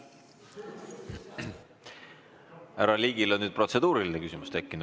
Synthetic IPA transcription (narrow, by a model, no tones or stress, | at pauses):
æɾɑliːɡ̥ilo̞nnyːd̪̥̚pro̞t̪sed̪̥uːɾilinekysimust̪e̞kːinu̥